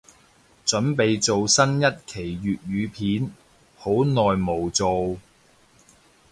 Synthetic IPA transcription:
t͡ʃɵ˨˥npe˨jt͡so˨wsɐ˥njɐ˥t̚kʰe˨˩jːyː˨t̚ɥyː˨˧pʰiː˨˥n | ho˨˥wnɔː˨jmo˨˩wt͡so˨w

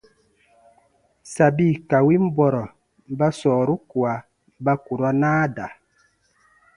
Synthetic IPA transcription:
sa˨bi˦˨ka˨wi˦m̩˦bwɔ˨ɾɔ˨˦ | ba˦sɔː˨ɾu˦kwa˨˦ | ba˦ku˨ɾɔ˦naː˦da˨

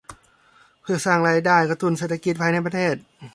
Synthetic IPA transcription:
pʰɯ˧˩ɐsaː˥˩ŋlaː˧˥˩jdaː˧˥˩jka˧t̪u˧˥˨nseː˧˩t̪ʰːa˧ki˧˥t̪̚pʰaː˧jna˧˥˨pa˧t̪ʰeː˥˩t̪̚

